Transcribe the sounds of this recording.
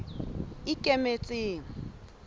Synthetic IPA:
ɪkʼemet͡sʼɪːŋ̩

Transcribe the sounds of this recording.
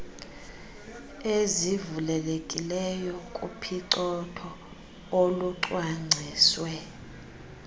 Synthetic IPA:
ezivulɛlekʼilɛjɔkʼṵpʰiǀɔtʰɔ | oluǀwaŋ͡ǀʱiːswɛ

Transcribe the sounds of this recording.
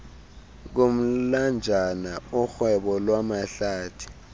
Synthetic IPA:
k̬om̩land͡ʒʱanaʊxwɛɓɔlwamaɬaːtʰi̥

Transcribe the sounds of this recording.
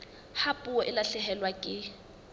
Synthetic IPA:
hapʼuɔʔɪlaɬɛhɛlwakʼɪ

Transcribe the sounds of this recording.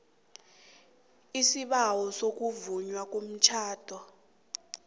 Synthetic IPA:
isiɓawɔsok̬ʼuvuɲwak̬ʼom̩t͡ʃʰaːd̥ʱɔ

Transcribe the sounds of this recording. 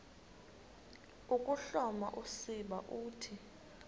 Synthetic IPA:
ukʼuɬɔma̰ʔusiɓa̰ʔuːtʰi

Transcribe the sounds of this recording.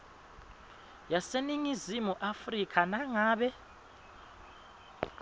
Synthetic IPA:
jaseniŋizimuʔafrikʰanaŋaːɓɛ

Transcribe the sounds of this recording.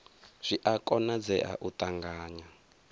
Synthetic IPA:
z̥ʷiʔakʼɔnad͡zɛʔa̰ʔut̪ʼaŋɡaːɲa

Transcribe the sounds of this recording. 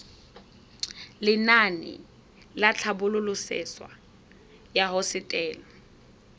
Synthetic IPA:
lɪnanɪ̰ | lat͡ɬʰabʊlʊlʊsɪ̰swa̰ | jaɦɔsɪtʼɛːli

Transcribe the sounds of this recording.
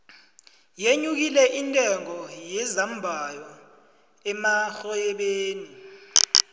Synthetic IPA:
jeɲuk̬ilɛʔintʼɛŋɔjɛzam̩bʱajɔ | ɛmaxɔjɛɓeːni

